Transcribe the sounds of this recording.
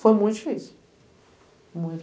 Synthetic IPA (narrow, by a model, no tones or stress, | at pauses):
fojmũt̪d͡ʒifisʊ | mũj̃t̪